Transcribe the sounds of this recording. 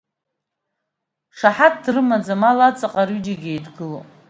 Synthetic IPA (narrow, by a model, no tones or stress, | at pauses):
ʂaħat̚ʰdrɨmad͡zamalat͡sʼaqʼaɾyd͡ʒaɡʲejdɡɨlo